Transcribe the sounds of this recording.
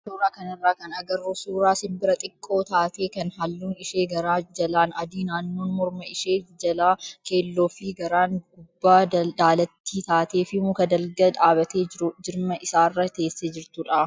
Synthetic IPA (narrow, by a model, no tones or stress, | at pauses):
suːɾaːkɐnɪrːaːkɐnɐɡɐɾoːsuːɾaːsɪmbɪɾɐt̪ʼɪkʼːo̞ːt̪aːt̪e̞ːkɐnhɐlːuːnɪʃe̞ːɡɐɾaːd͡ʒɐlaːnɐd̪iːnaːnːoːnmɔɾmɐɪʃe̞ːd͡ʒɐlaːke̞ːlːo̞ːfɪɡɐɾaːnɡʊbːaːd̪aːlɐt̪ːiːt̪aːt̪e̞ːfɪmʊkɐd̪ɐlɡɐᶑ̪aːβɐt̪eːd͡ʒɪɾʊd͡ʒɪɾmɐʔɪsaːrːɐt̪e̞ːsːeːd͡ʒɪɾt̪ʊᶑaː